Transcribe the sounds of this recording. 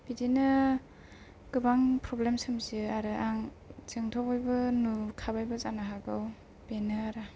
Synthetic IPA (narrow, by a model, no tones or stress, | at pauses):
b̥idinɯ | kɯbaŋpɾɔblemsɯmzɯaɾɯʔaŋ | zɯŋtʰɔpɔjbɯnukʰabajbɯzanaɦaɡaw | benɯaɾɯ